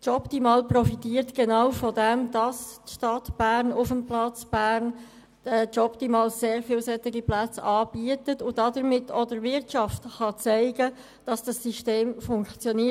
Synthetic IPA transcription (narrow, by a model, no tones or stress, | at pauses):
tɔptimɑːlprɔfitiːɾtɡ̥ɛnɑwfɔdɛmd̥ɑstʃtɑtb̥æɾnʊfəmplɑt͡sb̥æːɾn | ɛtɔptimɑːlseːɾfiːlsɛtɪɡiplæt͡sɑːb̥iətətʊdɑdəɾmɪtʰodəɾvɪɾtʃɑftχɑt͡sæɪɡə | d̥ɑsd̥ɑsːiʃteːmfʊŋkt͡sjɔni